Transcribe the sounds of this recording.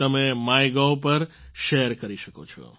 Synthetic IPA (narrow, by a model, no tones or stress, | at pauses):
t̪əmemajɡap̬əɾʃeəɾkəɾiʃəko̰t͡ʃʰɔ̰